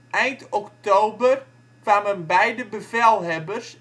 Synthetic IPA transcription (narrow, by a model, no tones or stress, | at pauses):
ʔɛjntɔktowbər | kʋaːmənbɛjdəbəvɛlˠɦɛbərs